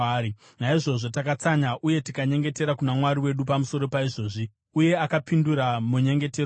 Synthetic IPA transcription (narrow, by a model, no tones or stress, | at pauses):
i | naiʐo̞ʐo̞takat͡saɲaʔuje̞tikaɲe̞ŋɡe̞te̞ɾakunamwaɾiwe̞ɗupamuso̞ɾo̞paiʐo̞ːʐi | uje̞akapinduɾamuɲe̞ŋɡe̞ter